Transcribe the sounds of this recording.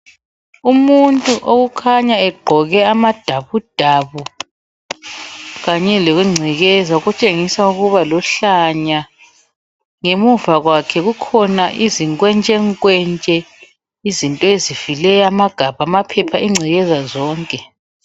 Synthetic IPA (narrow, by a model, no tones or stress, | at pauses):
umuntʼuʔoɣukʰaɲaɛɡ͡ǃʱɔɣɛamad̥ʱaβud̥ʱaβu | ɣaɲɛloɣuŋ͡ǀʱiɣɛzauɣut͡ʃʼeŋisauɣuβalɔɬaɲa | ŋemuvaɣwakʰɛɣukʰɔnaʔiziŋkʼwɛnt͡ʃʼɛŋkʼwɛnt͡ʃʼɛ | izintʼɔezivilɛjamaɡ̥ʱaβamapʰɛpʰaʔiŋ͡ǀʱiɣɛzazɔːŋkʼɛ